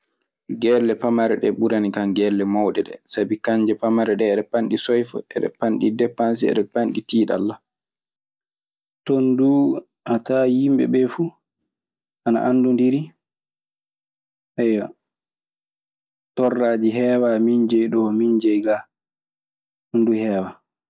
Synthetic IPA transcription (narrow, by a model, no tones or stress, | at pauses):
ɡɛlːɛpamaɾɛɗɛɓuɾanikaŋɡɛlːɛmawɗɛɗɛ̰sabikaɲd͡ʒɛpamaɾɛɗɛːɗɛpanɗisɔjfɔ̰ʔɛɗɛ̰panɗidɛpːans̬iɛ̰ɗɛpanɗitiːɗa̰lːa | tonduː | ʔatajimbɛ̰bɛfu | ana̰ʔandundiɾi | ʔɛja | tɔrːad͡ʒiɦɛːwamiɲd͡ʒɛjɗɔmiɲd͡ʒɛjɡa | unduhɛːwa